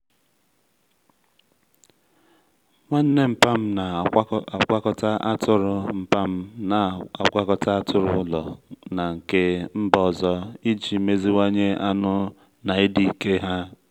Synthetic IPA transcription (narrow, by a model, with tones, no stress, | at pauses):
ŋʷa˦n̩˦ne˦m̩˨pa˦m̩˦na˨˦a˨ka˦kɔ˦ta˦ʔa˦tʊ˦ɾʊ˨m̩˨pa˦m̩˦na˨ɔ̰˨kʷa˦kɔ˦ta˦a˦tʊ˦ɾʊ̰˦ʊ˦lɔ̰˨na˨ŋ̩˨ke˦m̩˦bɔ˨zɔ˦i˦d͡ʒi˨˦me˦zi˦wa˦ɲe˦a˦nʊ˦ | na˨ɪ˦di˨i˨ke˦ɦa˦